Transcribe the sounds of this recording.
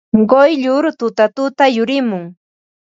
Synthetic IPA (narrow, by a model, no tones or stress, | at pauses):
ɢojʎʊɾt̪ʊt̪at̪ʊt̪ajʊɾɪmʊŋ